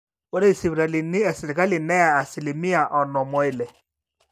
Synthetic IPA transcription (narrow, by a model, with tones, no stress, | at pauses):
wɔ˦ɾe˦i˨si˨βɾa˨li˨nɪ˦ɛ˨si˨ɾe˨ɡa˦lɪ˨nɛ˦ja˨a˨si˨li˨mi˦a˨ʔɔ˨nɔ˨mɔ˨ɪ˨lɛ˨